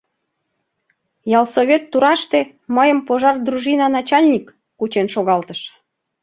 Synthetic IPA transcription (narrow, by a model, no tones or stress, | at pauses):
jɑlˠsoβʲet̪ːuɾɑʃt̪e | məjəmpoʒɑrd̪ruʒinɑnɑt͡ɕɑlʲnʲikː | ut͡ɕenʃoɣɑlt̪əʃ